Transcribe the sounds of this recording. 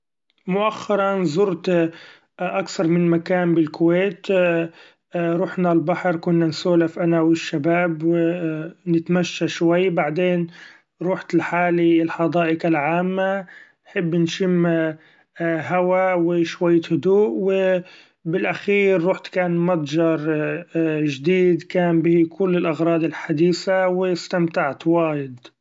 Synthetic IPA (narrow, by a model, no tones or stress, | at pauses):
mʊʔaxːɑɾˤɑnzˤʊɾt̪ | ʔakθɑɾˤmɪnmakaːnbɪlkʊweːt̪ | ɾˤuːħnalbaħɾˤkʊnːansoːlafʔanawɪʃːabaːbwɪnɪt̪maʃːaʃwajːbaʕd̪eːn | ɾuːħt̪ɪlħaːliɪlħɑd̪ˤɑːʔɪkalʕaːmːanħɪbːnʃɪmː | ɦawawɪʃwajːhʊd̪uːʔwɪ | bɪlʔaxiːɾːuːħt̪kaːnmɑt̪ˤd͡ʒɑɾˤ | ʒd̪iːd̪kaːnbɪhkʊlːɪlʔaɣɾˤɑːd̪ɪlħad̪iːsawɪst̪amt̪aʕt̪waːjɪd̪